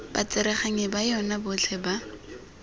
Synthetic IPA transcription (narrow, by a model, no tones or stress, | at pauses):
ba̰t͡sɪɾɛχaŋɪbajɔnabʊt͡ɬʰɛba